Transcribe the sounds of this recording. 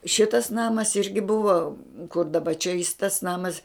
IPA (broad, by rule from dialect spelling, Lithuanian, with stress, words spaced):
ˈʃʲɪtɐs ˈnɑːmɐs ˈɪrʲɡʲɪ ˈbʊʋɐ kʊr dɐˈbɐ t͡ʃʲɛ jɪs tɐs ˈnɑːmɐs